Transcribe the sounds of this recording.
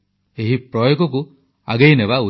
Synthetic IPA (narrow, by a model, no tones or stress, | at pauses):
eɦipɾɔjɔkɔk̬u | a̰ɡejnebau